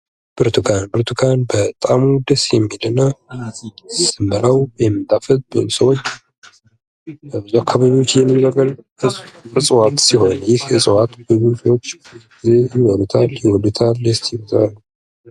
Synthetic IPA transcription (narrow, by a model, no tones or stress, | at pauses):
b̥ɨɾt̪ʰukʰanbɨɾt̪ʰukʰanbət̪ʼamud̪əsjɛmːilɨnːa | sɨmbəlawjɛmːɨt̪ʰafət̪̚bɨsəwot͡ʃː | jakʰːaβaβiwot͡ʃːjɛmːibaɡəl | ɨɨsʼwat̪siho̞njɪhɨsʼwat̪bɨβofwot͡ʃː | izejɪwɔd̪ut̪ʰaljɪwɔd̪ut̪ʰalːst̪ʰjiwt̪alːu